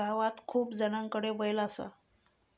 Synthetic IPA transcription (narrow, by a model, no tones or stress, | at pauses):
aʋat̪kʰuːpd͡zəɽaŋkəɽebəjlasa̰